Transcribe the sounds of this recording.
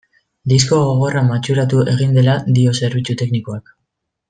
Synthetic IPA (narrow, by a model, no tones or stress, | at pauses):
d̪isko̞ɣo̞ɣ̞o̞ramat͡ʃuɾat̪uʔe̞ɣ̞ind̪e̞lad̪io̞se̞ɾβ̞it͡sut̪e̞kniko̞ak